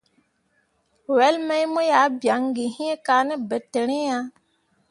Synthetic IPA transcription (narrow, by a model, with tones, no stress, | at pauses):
wɛ˦lmɛ˦jmo˦ja˨˦bja˨˦ŋɡi˨hĩ˦e˦kaː˨˦ne˦be˨tːe˨ɾẽ˦ja˦